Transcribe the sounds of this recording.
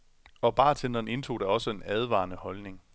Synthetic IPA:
ɒ̽b̥ɑ̈ːt͡sʰend̥ɐne̝nt͡sʰo̝̰ːd̥æɒ̽səe̝næð̞ˠʋɑ̰̈ːnəhɒ̽lne̝ŋ

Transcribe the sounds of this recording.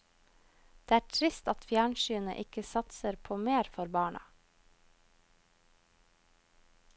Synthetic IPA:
d̪̥eːæːʈʰɾɪst̪ɑt̪fjæːɳʃyːnə̰ʔɪkəsɑt̪səɾpʰoːmeːɾfɔɾbɑːɳɑ̰

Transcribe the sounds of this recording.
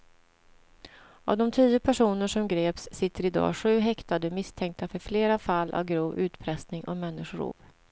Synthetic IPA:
a̰vd̪ɔmt̪ʰiːʊpʰæʂuːnəʂɔmɡɾeːpsːɪt̪ʰːəɾɪd̪ɑ̰ːɧʉ̟ːɦɛkt̪ad̪əmɪst̪ʰɛŋk̚t̪afœɾfleːɾafalːʔa̰vɡɾuːvʉ̟ːt̪pʰɾɛst̪nɪŋʔɔ̰kmɛnːɪʂʊɾṵːp

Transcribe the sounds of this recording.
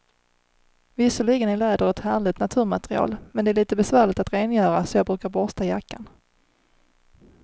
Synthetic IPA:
vɪsʊɭiːɡənæɭɛːd̪əɾɛt̪hæːɭɪt̪nat̪ʰʉ̟ːɾmat̪ɾɪɑ̰ːlmɛnd̪ɛæːɭiːt̪əbɛsvæːɭɪt̪at̪ɾeːnjœːɾasɔjɑːɡbɾʉ̟ːkaɾbɔst̪ajakːan

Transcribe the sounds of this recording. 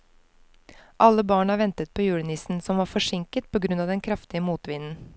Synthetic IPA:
ʔɑlːəbɑːɳɑːʋɛnt̪ət̪̚pʰoːjʉːɭənɪsn̩sɔmʋɑːfɔʂɪŋkət̪̚pʰoːɡɾʉnɑːʋd̪ɛnkʰɾɑft̪ɪəmuːt̪ʋɪnn̩

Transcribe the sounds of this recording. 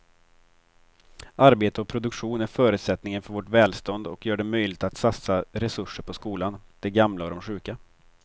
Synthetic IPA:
aɾbeːt̪əɔk̚pʰɾʊd̪ɵkɧuːnæɾfœːɾʉ̟ːt̪sɛt̪nɪŋənfœɾvɔʈvɛːlst̪ɔnd̪ɔkjœːɖɛmœjlɪɡt̪at̪sat̪saɾɛsɵʂːəɾpʰɔskuːland̪̥ɛɡamlaɔd̪ɔmɧʉ̟ːka

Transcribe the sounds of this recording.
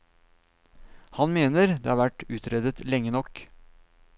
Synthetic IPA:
hɑnmeːnəɾd̪ḛːɑːɾʋæʈʉːt̪ɾɛd̪ət̪lɛŋːənɔk

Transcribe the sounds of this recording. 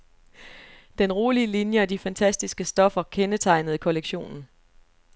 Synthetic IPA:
d̥enʁoːliəlinjəɒd̥ifænt͡sʰæsd̥isɡ̥əsd̥ɒ̽fɐkʰenət͡sʰɑ̈ɪnð̞̩ˠikʰɔ̽leɡ̥ɕo̝̰ːnn̩

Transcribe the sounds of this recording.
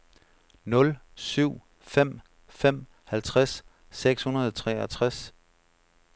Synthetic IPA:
nɔ̽lsyʊ̰ | fem̰ | fem̰ | hælt͡sʰʁasː | eɡ̥shunɐð̞̩ˠɒt͡sʰʁɛɐt͡sʰʁas

